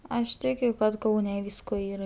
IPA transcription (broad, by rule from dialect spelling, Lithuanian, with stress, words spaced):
ɐʃ ˈtʲɪkʲʊ kɐt ˈkɐʊnʲɛ ˈʋʲiːskoː ˈiːrɐ